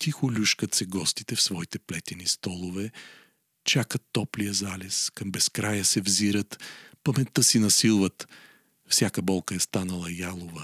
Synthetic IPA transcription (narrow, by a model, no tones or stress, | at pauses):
t̪ixʊlʲuʃkət̪sɛɡɔst̪i̥t̪ɛfsvɔit̪ɛplɛt̪ɛnist̪ɔlˠʊvɛ | t͡ʃakət̪ːɔplijəzalʲɛskɐmbɛskɾajəsɛvziɾət̪pɐmɛt̪ːəsinɐsilˠvət̪ | fsʲjakəbɔlˠkəɛst̪anəlˠɐjalˠovə